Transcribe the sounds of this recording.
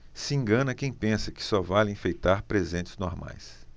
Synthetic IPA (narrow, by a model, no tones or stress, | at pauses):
sɪĩŋɡɐ̃nɐkẽj̃pẽsɐkɪ̥sɔvalẽfejt̪aɾpɾezẽnt͡ʃɪ̥znoɾma̰js